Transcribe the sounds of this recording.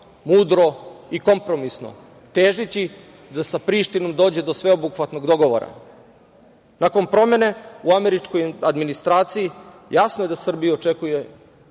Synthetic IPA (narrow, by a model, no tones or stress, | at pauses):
muːd̪ɾo̞iko̞mpɾo̞misno̞̰ | t̪eːʒit͡ɕi | d̪asapɾiːʃt̪ino̞md̪o̞ːd͡ʑe̞d̪o̞sʋe̞obuxʋat̪no̞ɡd̪o̞ɡo̞ʋo̰ɾa̰ | nako̞npɾo̞me̞ne̞uameɾit͡ʃko̞jad̪minist̪ɾaːt̪siji | jasnoje̞d̪asr̩bijaot͡ʃekuje̞